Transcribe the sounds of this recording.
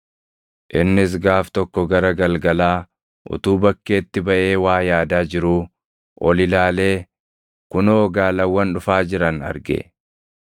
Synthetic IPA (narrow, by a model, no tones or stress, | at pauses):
ʔɪnːɪs̬ɡaːft̪ɔkːɔɡɐɾɐɡɐlɡɐlaː | ʔʊ̰t̪uːbɐkːe̞ːt̪ːɪbɐʔe̞ːwaːjaːd̪aːd͡ʒɪɾuː | ʔɔlɪlaːle̞ː | kʊnɔːɡaːlɐwːɐnᶑʊfaːd͡ʒɪɾɐnɐ̰ɾɡḛ